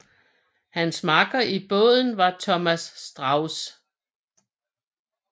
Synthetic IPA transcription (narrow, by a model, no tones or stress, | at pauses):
hænsmɑ̈ɡ̥ɐʔib̥ɔ̰̽ð̰ˠn̩ʋɑ̈t͡sʰɒmæsːd̥ʁɑ̈ʊs